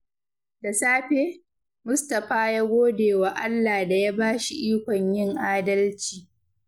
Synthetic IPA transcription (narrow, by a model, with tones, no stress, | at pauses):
da˨saː˦ɸeː˦ | mʊ˦stɐ˨ɸaː˦jaː˦ɡʷoː˦deː˨wa˨ʔa˦lːaː˨da˨ja˦baː˦ʃi˨ʔiː˦kʷɔ˨ɲjɪ˦˨ŋʔaː˦dɐ˦lt͡ʃiː˨